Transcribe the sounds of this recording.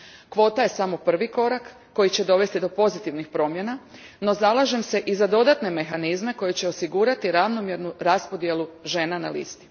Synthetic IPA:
kʋo̞ːt̪aje̞samo̞pr̩ʋiko̞ɾakːo̞jit͡ɕe̞d̪o̞ʋe̞st̪id̪o̞po̞zit̪iʋnixpɾo̞ːmje̞na | no̞zalˠaʒe̞mse̞ʔizad̪o̞d̪at̪ne̞me̞xanizme̞ko̞jet͡ɕe̞o̞siɡuɾat̪iɾaʋno̞mje̞ɾnuɾaspod̪je̞luʒe̞ːnana̰lḭst̪i̥

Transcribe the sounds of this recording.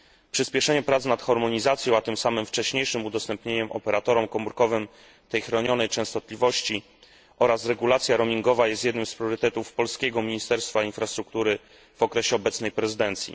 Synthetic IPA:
pʂɘspʲɛʂɛɲɛpɾat̪snat̪xɔɾmɔɲizat̪sʲjɔ̃w̃at̪ɘmsamɘmft͡ʂɛɕɲejʂɘmud̪ɔst̪ɛmpɲeɲɛmʔɔ̰pɛɾat̪ɔɾɔmkɔmuɾkɔvɘm | t̪ɛjxɾɔɲɔnɛjt͡ʂɛ̃w̃st̪ɔt̪lʲivɔɕt͡ɕi | ʔɔɾasɾɛɡulat̪sʲjaɾɔmʲiŋɡɔvajɛst̪jɛd̪nɘmspɾjɔɾɘt̪ɛt̪ufpɔlskʲeɡɔmʲiɲist̪ɛɾst̪fainfɾast̪ɾuk̚t̪uɾɘ | v̥ɔkɾɛɕɛɔbɛt̪snɛjpɾɛzɘd̪ɛnt̪sʲjḭ

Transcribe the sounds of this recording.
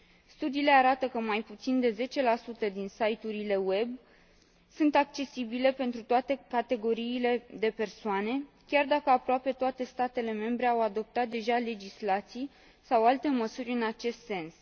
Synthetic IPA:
st̪ud̪iːle̞aɾat̪əkəmajput̪sind̪e̞ze̞t͡ʃe̞lasut̪əd̪insajt̪uɾile̞we̞b | sunt̪ak̚t͡ʃe̞sibile̞pe̞nt̪ɾut̪oat̪e̞kat̪e̞ɡo̞ɾiːle̞d̪e̞pe̞rsoane̞ | kʲard̪akəapɾoape̞t̪oat̪e̞st̪at̪e̞le̞me̞mbɾe̞awad̪o̞p̚t̪at̪̚d̪e̞ʒale̞d͡ʒislat̪sij | sawalt̪e̞məsurʲɨnat͡ʃe̞st̪se̞ns

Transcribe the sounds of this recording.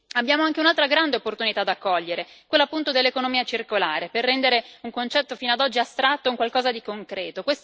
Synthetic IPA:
abjaːmoaŋk̟eunalt̪ɾaɡɾand̪eopːort̪unit̪aːd̪ːakːɔʎːeɾekweloapːunt̪od̪elːekonomiːat͡ʃirkola̰ːɾeperːɛnd̪eɾeuŋkont͡ʃɛt̪ːofiːnoad̪ɔd͡ʒːiast̪ɾat̪ːouŋkwalkɔːzad̪ikoŋkɾɛːt̪okwes

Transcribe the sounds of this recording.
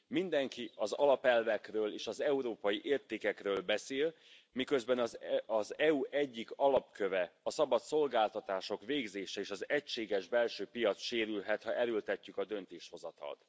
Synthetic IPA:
mind̪ɛŋkiɒzɒlɒpɛlvɛkrøːleːʃɒzɛuɾoːpɒjiʔeːrt̪eːkɛkrøːlbɛseːl | mikø̞zbɛnɒzɒzɛuʔɛɟːikɒlɒpkøvɛɒsɒbɒt̪so̞lɡaːlt̪ɒt̪aːʃo̞kveːɡzeːʃɛeːʃɒzɛcʃeːɡɛʒbɛlʃøːpijɒt̪sʃeːɾylɦɛt̪hɒʔɛɾølt̪ɛcːykɒd̪ø̞nt̪eːʃho̞zɒt̪ɒ̰lt̪

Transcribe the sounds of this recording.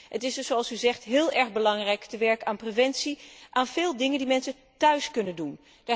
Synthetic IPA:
ɦətɪsdɵsoɑlˠsyzɛχtɦɪːlˠɛɹχbəlɑŋrɛjktəʋɛɹkəaːnprevɛntsiʔaːnv̥ɪːlˠdɪŋəndimɛnsə | tœɥskɵnəndun | d̥a

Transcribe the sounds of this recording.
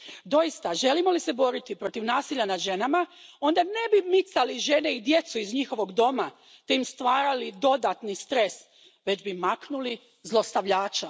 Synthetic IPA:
d̪o̞jist̪aʒe̞limo̞lisebo̞ɾit̪ipɾo̞t̪iʋnaːsiʎːanad̪ʒe̞namao̞nd̪ane̞bimit̪saliʒe̞ne̞id̪je̞t̪suizɲixo̞ʋo̞ɡd̪o̞ma | t̪eimst̪ʋaːɾalid̪o̞d̪at̪nist̪ɾe̞s | ʋe̞d͡ʒbimaknuli | zlˠo̞st̪aʋʎaːt͡ʃa

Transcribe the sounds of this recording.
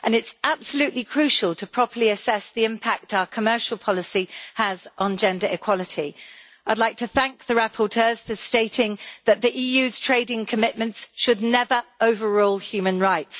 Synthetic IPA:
ʔə̃nɪtsʔab̥səljʉˑʔlikʰɹ̥ʉˑʃəlˠtʰəpʰɹ̥ɒpʰəliəsɛsðiɪ̃mpʰak̚taʊəkʰəmɜˑʃəl̩ˠpʰɒləsiəzn̩d͡ʒɛ̃ndəɹɪkʰw̥ɒlɪtʰi | aɪdˡlaɪk̚tʰəθæ̃ŋk̚ðəɹapʰətʰɜːz̥fəsteɪtʰɪ̃ŋðəʔðiʔiːjʉːz̥tʰɹ̥eɪdɪ̃ŋkʰəmɪʔmə̃ntsʃədⁿnɛvəɹəʊvəɹɔːlˠhjʉːmə̃nɹaɪts

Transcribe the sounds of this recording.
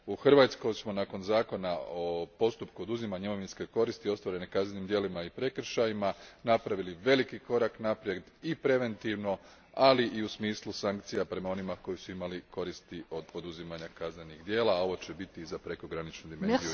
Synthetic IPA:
uxr̩ʋaːt̪sko̞jsmo̞nako̞nzaːko̞nao̞po̞st̪upkuo̞d̪uzimaɲemo̞ʋinske̞ko̞ɾist̪io̞st̪ʋaɾe̞nekaznenimd̪je̞limaipɾe̞kr̩ʃajimanapɾaʋiliʋe̞likiko̞ɾaknapɾje̞d̪ipɾe̞ʋe̞nt̪iʋno̞ | aliʔiusmiːslˠusaŋkt̪sijapɾe̞mao̞nimako̞jisuimaliko̞ɾist̪iʔo̞d̪̚po̞d̪uzimaɲakazne̞nixd̪je̞ːlˠao̞ʋo̞t͡ɕebit̪izapɾe̞koɡɾanit͡ʃnud̪imennziu

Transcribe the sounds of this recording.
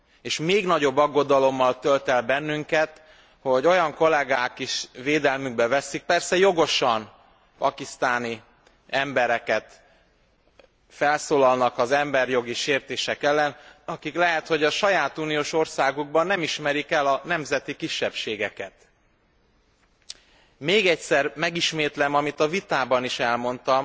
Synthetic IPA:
eːʃmeːɡnɒɟo̞bːɒɡːo̞d̪ɒlo̞mːɒlt̪ølt̪ɛlbɛnːyŋkɛt̪ | ho̞ɟo̞jɒŋko̞lɛɡaːkiʃveːd̪ɛlmyɡ̚bɛvɛsːik̚pɛrsɛjo̞ɡo̞ʃɒn | pɒkist̪aːni | ɛmbɛɾɛkɛt̪ | fɛlsoːlɒlnɒkɒzɛmbɛrjo̞ɡiʃeːrt̪eːʃɛkɛlːɛnɒkiklɛɦɛt̪ho̞ɟɒʃɒjaːt̪uːnijoːʃo̞rsaːɡuɡ̚bɒnːɛmiʃmɛɾikɛlɒnɛmzɛt̪ikiʃːɛpʃeːɡɛkɛt̪ | meːɡɛcsɛrmɛɡiʃmeːt̪lɛmɒmit̪ɒvit̪aːbɒniʃɛlmo̞nt̪ɒm

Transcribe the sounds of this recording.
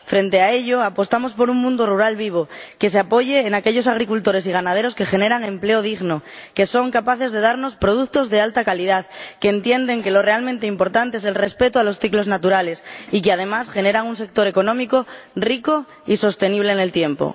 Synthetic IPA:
fɾe̞nt̪e̞ae̞ʎo̞apo̞st̪amo̞spo̞ɾuŋmũnd̪oruɾalβiβ̞o̞ke̞seapo̞ʝeːnake̞ʎo̞saɣ̞ɾikult̪o̞ɾe̞siɣ̞anað̞e̞ɾo̞ske̞xe̞ne̞ɾaŋẽ̞mple̞oð̞iɣno̞ke̞so̞ŋkapaθe̞zðe̞ð̞aɾno̞spɾo̞ð̞ukt̪o̞zðe̞alt̪akalið̞aðkeːnt̪je̞nd̪e̞ŋke̞lo̞re̞almẽnt̪eimpo̞ɾt̪ant̪ees̬e̞lre̞spe̞t̪oalo̞sθiklo̞znat̪uɾale̞sikeað̞e̞masxe̞ne̞ɾaŋunse̞k̚t̪o̞ɾe̞ko̞nõmiko̞riko | iso̞st̪e̞niβ̞le̞ːne̞lt̪je̞mpo̰

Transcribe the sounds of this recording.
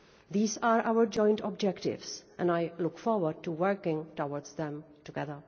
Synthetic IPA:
d̪iːzaːɾaʊəɾd͡ʒɔ̃ɪ̃nʈɔbd͡ʒɛkʈɪ̰ʋsʔɛ̰̃naɪlʊkfɔɾʋəɾɖ̚ʈuʋəɾkɪ̃ŋʈoɔɾɖzd̪ɛ̃m | ʈuɡɛðə

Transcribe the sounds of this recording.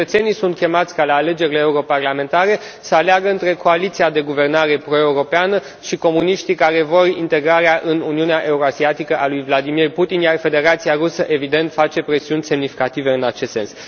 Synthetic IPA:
ət̪se̞nijsunt̪̚kʲe̞mat̪sʲkalaːle̞d͡ʒe̞ɾileːuɾo̞parlame̞nt̪aɾe̞ | səaleaɡəɨnt̪ɾe̞ko̞alit̪siad̪e̞ɡuve̞rnaɾe̞pɾo̞e̞uɾo̞peanə | ʃiko̞muniʃt̪ikaɾe̞vo̞rḭnt̪e̞ɡɾaɾeaʔɨnuniuneaʔe̞uɾoasiat̪ikəʔalujvlad̪imirput̪injarfe̞d̪e̞ɾat̪siaɾusəʔe̞vid̪e̞nt̪fat͡ʃe̞pɾe̞siunʲse̞mnifi̥kat̪ive̞ɨnat͡ʃe̞st̪se̞ns

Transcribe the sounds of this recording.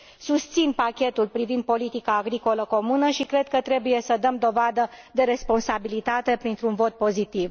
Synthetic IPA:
sust̪sinpakʲe̞t̪ulpɾivind̪̚po̞lit̪ikaːɡɾiko̞ləko̞munəʃikɾe̞d̪̚kət̪ɾe̞buje̞səd̪əmd̪o̞vad̪əd̪e̞ɾe̞spo̞nsabilit̪at̪e̞pɾint̪ɾuunvo̞t̪̚po̞zit̪iv

